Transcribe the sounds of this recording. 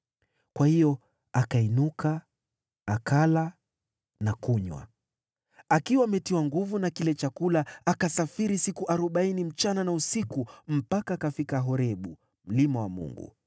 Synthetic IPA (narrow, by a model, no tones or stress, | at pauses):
kwahijɔ | akainukaː | kala | nakuɲwa̰ | akiwaːmɛtiwaŋɡuvunakilɛt͡ʃakulaakasafiɾisikuʔaɾuɓainim̩t͡ʃananausikum̩pakaːkafikaɦɔɾɛɓu | m̩limawamṵŋɡṵ